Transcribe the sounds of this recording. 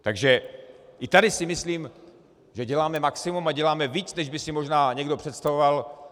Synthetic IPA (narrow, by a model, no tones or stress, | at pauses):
t̪aɡʒɛʔɪt̪adɪsɪmɪsliːm | ʒɛɟɛlaːmɛmaksɪmumaɟɛlaːmɛviːt͡snɛʒbɪsɪmo̞ʒnaːɲɛɡdo̞pr̝̥ɛt̪st̪avoval